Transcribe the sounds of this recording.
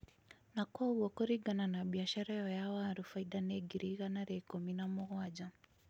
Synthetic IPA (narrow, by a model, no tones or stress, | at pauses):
nakɔɣɔkɔɾiɡananabiaʃaɾajɔjawaɾufaidaneɡiɾiɣanaɾɛkominamuɣwad͡ʒa